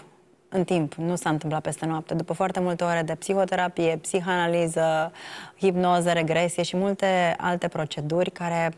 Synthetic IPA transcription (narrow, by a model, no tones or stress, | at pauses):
ɨnt̪impnusaɨnt̪ɨmplat̪pest̪e̞noap̚t̪e̞d̪upəfoart̪e̞mult̪e̞oɾe̞d̪e̞psixo̞t̪e̞ɾapije̞psixoanalizə | hipno̞zəɾe̞ɡɾe̞sije̞ʃimult̪e̞a̰lt̪e̞pɾo̞t͡ʃe̞d̪urʲkaɾe̞